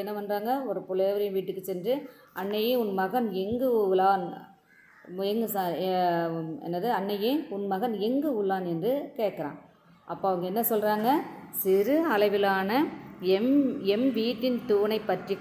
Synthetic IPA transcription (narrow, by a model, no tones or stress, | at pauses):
ɛnːɐʋɐndraːŋɡɐɔɾɯpʊlɐʋɐɾɐj̃ʋiːʈːɯkːɯt͡ʃɛndrɯ | ɐnːɐjɯʊnmɐɣɐnɛŋɡɯlaːn | ɛŋɡɯsa | ɛ̰nːɐðɯɐnːɐjɯ̃ʊnmɐɣɐnɛŋɡɯʊɭːaːnɛndrɯkeːʈkɐɾã̰ːŋ | ʔɐpːoːɐʋɐŋɡɐɛnːɐsɔlraːŋɡɐsɪɾɯɐlɐɪʋɪlaːnɐɛmɛmʋiːʈːɪnt̪uːnɐɪpːɐʈri